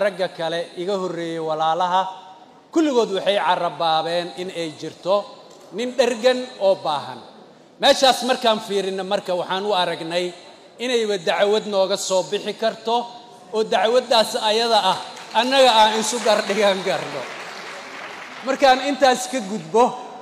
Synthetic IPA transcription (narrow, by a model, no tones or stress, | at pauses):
ɾɐɡɐkʰɐlɛɪɣɐhɔrɛːjɛwɑlaːlɐɦɐ | kʰʊlːɪɣɔːd̪wɑħɑjʕɑrɐbaːβɛːnɪnɛjt͡ʃɪrt̪ʰɔ | nɪnɖɐrɡɐnɔːbaːɦɐ̰n | mɛːʃaːsmɐrkʰaːnfiːɾɪnːɐmɐrkʰɐwɑħɑːnʊɐɾɐɡnɛj | ɪnɛjβɐd̪ɑʕwɐd̪nɔːɣɐsɔːbɪħɪkʰɐrt̪ʰɔ | ɔːd̪ɑʕwɐd̪aːsɐjɐðɐɐhɐnːɐɣɐaːnɪsʊɡɐrɖɪɣɐŋɡɐrnɔ | mɐrkʰaːnɪnt̪ʰaːskʰɐɡʊd̪bɔ